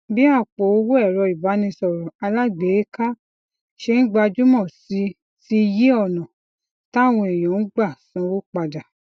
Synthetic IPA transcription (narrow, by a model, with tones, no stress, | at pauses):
bi˦a˦˨k͡po˨˦o˧˦wo˦ɛ˦˨ɾɔ˧i˨ba˨˦nĩ˧sɔ˨ɾɔ˨a˧la˦ɡ͡be˨˦ka˦ | ʃe˧ñ̩˦ɡ͡ba˧d͡ʒu˦mɔ̃˦˨si˨˧˦ | ti˦˧je˦ɔ˦˨nɔ̃˨ | ta˦˨w̃ɔ̃˧e˨jɔ̃˨˦n̩˦ɡ͡ba˦˨sɔ̃˧˦˧wo˦k͡pa˧da˨